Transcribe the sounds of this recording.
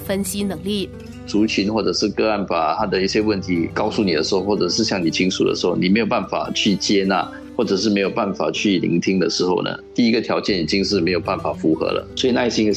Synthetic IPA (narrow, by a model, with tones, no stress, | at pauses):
fə˦nɕi˥nə˨˧˥ŋli˥˩ | t͡su˧˥t͡ɕʰi˧˥nxwɔ˥˩ʈ͡ʂə˨˩ʂɻ̩˥˧kɤ˥˧a˥˩npa˨˩t̪ʰa˥d̪ə˨i˥˩ɕjɛ˦˥wə˥˩nt̪ʰi˧˥kɑ˥˧ʊsu˥˩ni˨˩d̪ə˦ʂɻ̩˧˦˥xo˥˧xwɔ˥˩ʈ͡ʂɤ˨˩ʂɻ̩˥˧ɕjɑ˥˩ŋni˨˩t͡ɕʰi˥ŋsu˨˩d̪ə̰˩ʂɻ̩˧˥xo˥˩ʊni˨˩me˧˥ɪjpa˥˩nfa̰˨˩t͡ɕʰy˥˩t͡ɕjɛ˥na̰˥˨˩ | xwɔ˥˩ʈ͡ʂɤ˨˩ʂ̬ɻ̩˥˩me˧˥ɪjo˨˩pa˥˩nfa̰˨˩t͡ɕʰy˥˩lḭ˧˥ŋt̪ʰi˥ŋd̪ə˨ʂɻ̩˧˥xo˥˧ʊnə̰˩t̪i˥˩i˥ɡə˨t̪ʰjɑ˧˥ʊt͡ɕjɛ˥˩ni˨˩t͡ɕi˦˥ŋʂɻ̩˥˩me˧˥ɪjo˨ʊpa˥˩nfa˨˩fu˧˥xɤ̰˧˥˦lə̰˨˩swɔ˧˥i˨na˥˧˥ɕi˥ŋ˧